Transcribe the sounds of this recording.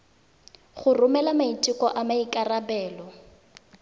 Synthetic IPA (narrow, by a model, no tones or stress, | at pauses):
χʊrʊmɛlamaitʼikɔʔamaikʼarabɛːlɔ